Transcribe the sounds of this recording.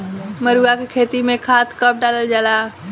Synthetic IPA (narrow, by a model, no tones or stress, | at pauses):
məɾuakekʰeːt̪imẽkʰaːt̪ʰkəp̚ɖaːləld͡ʒaːla